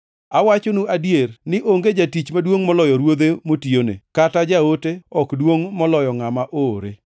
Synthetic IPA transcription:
awat͡ʃonuadjernɪʔoŋɡed͡ʒatit͡ʃmadwoŋmɔlɔjɔɾwod̪emotionḛkatad͡ʒaoteɔkdwoŋmɔlɔjɔŋamaʔoɾe

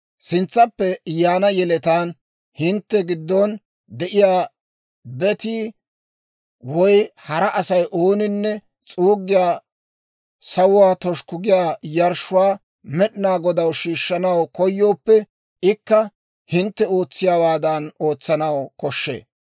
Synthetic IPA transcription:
sɪnt͡sːɐpːɛjaːnɐjɛlɛt̪aːn | hɪnt̪ːɛɡɪd̪ːɔn | d̪ɛʔɪjaː | bɛt̪iː | wɔjhɐɾɐʔɐsɐjʔoːnɪnːɛ | t͡sʼuːɡːɪjaː | sɐwʊwaːt̪ɔʃkʊɡɪjaːjɐɾʃʊwaː | mɛɗɪnaːɡɔd̪ɐwʃiːʃːɐnɐwkɔjːo̞ːpːɛ | ɪkːɐ | hɪnt̪ːɛo̞ːt͡sːɪjaːwaːd̪ɐno̞ːt͡sːɐnɐwkɔʃːḛː

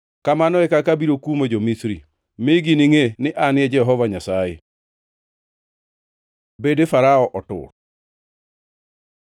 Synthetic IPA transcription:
kamanɔɛkakabiɾokumed͡ʒomisɾi | mɪɡinɪŋenɪʔanɪɛd͡ʒɛɦɔvaɲasajḛ | bedefaɾaɔʔɔtʊ̰ɾ

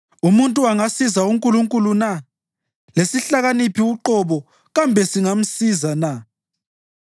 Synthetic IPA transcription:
umuntʼuaŋasizauŋkʼuluŋkʼuluna | lesiɬaɣanipʰiuǃɔβɔ | ɣambʱɛsiŋam̩sizana

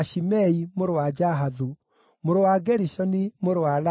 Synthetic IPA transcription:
ʃimɛimoɾowad͡ʒaɦaðu | moɾowaɡɛɾisɔnimoɾowala

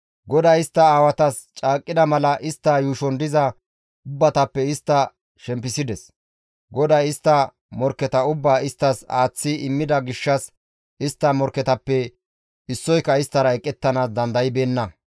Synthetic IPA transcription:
ɡɔd̪ɐjɪst̪ːɐaːwɐt̪ɐs | t͡ʃʼaːkʼːɪd̪ɐmɐlɐʔɪst̪ːɐjuːʃɔnd̪ɪzɐ | ʊbːɐt̪ɐpːɛɪst̪ːɐ | ʃɛmpːɪsɪd̪ɛs | ɡɔd̪ɐjɪst̪ːɐ | mɔɾkːɛt̪ɐʊbːaːɪst̪ːɐsaːt͡sːɪɪmːɪd̪ɐɡɪʃːɐs | ɪst̪ːɐmɔɾkːɛt̪ɐpːɛ | ɪsːɔjkːɐɪst̪ːɐɾɐɛkʼːɛt̪ːɐnaːsd̪ɐnd̪ɐjɪbe̞ːnːɐ

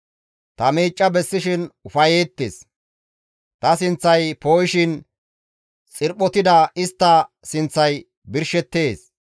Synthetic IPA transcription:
t̪ɐmiːt͡ʃʼːɐbɛsːɪʃɪnʊfɐjeːt̪ːḛs | t̪ɐsɪnt͡sːɐjpoːjɪʃɪn | t͡sʼɪɾpːɔt̪ɪd̪ɐɪst̪ːɐ | sɪnt͡sːɐj | bɪɾʃɛt̪ːe̞ːs

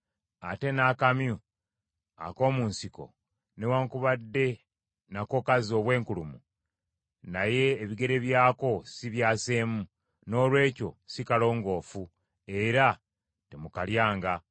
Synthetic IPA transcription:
ate̞naːkamju | a̰ko̞ːmuːnsiko̞̰ | newaŋkuβadːe̞ | nako̞kazo̞ːβwe̞ːŋkulumu | naje̞ːβiɡe̞ɾe̞βjaːko̞siβjaːse̞ːmu | no̞ːlwe̞ːco̞sikalo̞ːŋɡo̞ːfu | e̞ɾa | temukaljaːŋɡa

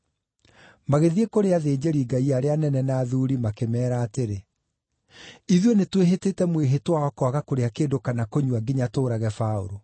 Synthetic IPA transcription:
maɣeðiekoɾeaðeːd͡ʑeɾiɡaiaɾeanɛnɛnaːðuɾimakemɛːɾaːteɾe | iðionetweɦetetɛmweɦetwaɔkɔaɣakoɾeakeːdokanakoɲuwaɡiɲatoːɾaɣɛfaoɾo

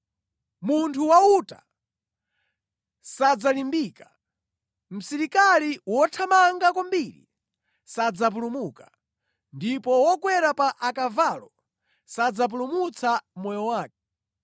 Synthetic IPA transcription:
muntʰuwauta̰ | sad͡zalimbiːkḁ | m̩siɾikaliwɔtʰamaŋɡakwɔmbiɾḭ | sad͡zap̬ulumukḁ | ndipɔwɔkwɛɾapaʔakavalɔ | sad͡zap̬ulumut͡samɔjɔwaːk̚ɛ̥

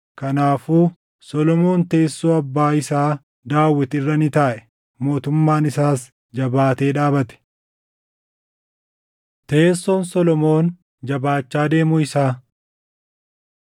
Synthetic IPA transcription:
kɐnaːfuː | sɔlɔmo̞ːnt̪e̞ːsːoːɐbːaːɪsaː | d̪aːwːɪt̪ɪrːɐnɪt̪aːʔɛ | mo̞ːt̪ʊmːaːnɪsaːs | d͡ʒɐbaːt̪e̞ːᶑaːbɐt̪ɛ̥ | t̪e̞ːsːɔːnsɔlɔmo̞ːn | d͡ʒɐbaːt͡ʃːaːd̪e̞ːmʊɪsaː

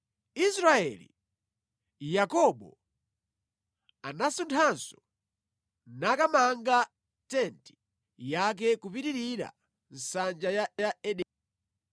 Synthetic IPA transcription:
isɾaɛ̰lḭ | jakɔɓɔ̰ | anasuntʰansɔ̥ | nakamaŋɡa | tɛnti̥ | jak̬ɛkupitiɾiɾa̰ | n̩sand͡ʒajajaɛɗɛ

